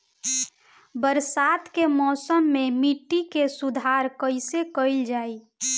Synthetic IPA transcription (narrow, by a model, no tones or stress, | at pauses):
bəɾsat̪kemɔːsəmːemiʈːikesud̪ʱaɾkəɪsekəɪld͡ʒaːi